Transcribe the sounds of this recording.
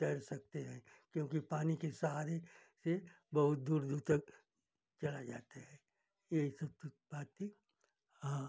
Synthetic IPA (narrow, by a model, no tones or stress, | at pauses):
t̪ɐɾsɐk̚t̪eɦɛ̃ːkjõːkipaːnikesɐɦaːɾese | bɐɦʊt̪̚d̪uːɾd̪uːɾt̪ɐk̚ | t͡ʃɐlad͡ʒa̰ːt̪aɦɛː | jeɦisɐb̚t̪baːt̪ːi | ɦãː